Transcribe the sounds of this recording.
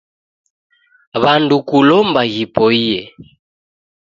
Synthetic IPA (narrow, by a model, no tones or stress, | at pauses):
βandukulɔmbaɣipɔijɛ